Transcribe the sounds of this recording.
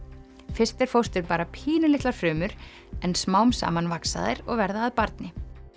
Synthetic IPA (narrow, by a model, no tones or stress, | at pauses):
fɪst̪ɛɾ̥fowst̪ʏɾpaːɾapʰiːnʏlɪht̪laɾ̥fɾʏːmʏɾ̥ | ɛnsmaːwmsa̰ːmanvaksa̰ðɪ̰ɾɔ̰ɣvɛɾðaːðpaɾt̪nɪ